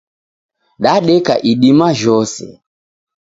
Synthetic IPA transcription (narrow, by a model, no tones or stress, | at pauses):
ɗaɗɛka̰ʔiɗimaʒɔsɛ̰